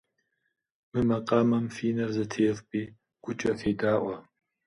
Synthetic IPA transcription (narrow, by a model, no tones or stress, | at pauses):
mɨmɐqʼaːmɐmfiːnɐrzɐtʰeːfpʼiː | ɡ̥ʷʊt͡ʃʼɐfeːdaːʔʷɐ